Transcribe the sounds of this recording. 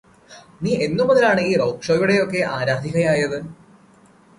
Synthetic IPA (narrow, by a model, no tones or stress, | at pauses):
niːʔe̞nːumːɐðɐlaːɳɨiːrɐwkʂoːjuɽe̞jo̞kːe̞ʔaːɾaːd̪ʱiɣɐjaːjɐðɨ